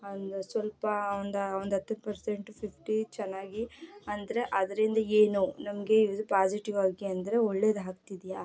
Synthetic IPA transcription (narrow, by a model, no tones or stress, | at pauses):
ɐnd̪usʋɐlpɐond̪ɐond̪ɐt̪ːɐnpɐɾseɳʈpʰipʰʈit͡ʃɛnːaːɡiɐnd̪ɐɾe̞ʔɐd̪ɐɾind̪ɐeːnunɐmɐɡe̞iʋɐd̪upaːd͡ʒiʈiʋaːɡiɐnd̪ɐɾeoɭːe̞ːd̪ɦaːk̚t̪id̪ijaː